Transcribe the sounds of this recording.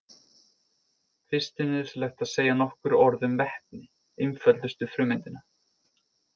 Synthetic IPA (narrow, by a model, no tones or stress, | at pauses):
fɪ̥st̪ɪnɪslajhxt̪aðseːjanɔhkʏɾɔɾðʏmvɛhpnɪ | ɪnfœlt̪ʏst̪ʏfɾʏːmɪnt̪ɪna